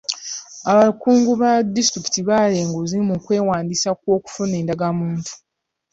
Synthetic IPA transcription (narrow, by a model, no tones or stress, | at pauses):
aβakuːŋɡuβadistɾiki̥tiβale̞ːŋɡuzimukwe̞ːwaːndisak̚wo̞ːku̥fune̞ːndaɡamuːntʰu̥